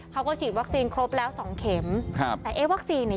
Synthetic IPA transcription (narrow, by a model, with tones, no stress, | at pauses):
kʰa˦˥wkɔː˥˩t͡ɕʰiː˨˩t̪̚wa˦˥k̚siː˧nkʰɾo˦˥p̚lɛː˦˥wsɔː˨˩˦ŋkʰe˩˦mkʰa˦˧pt̪̚ɛː˨˩ʔeː˦˥wa˦˥k̚siː˧nː˧˩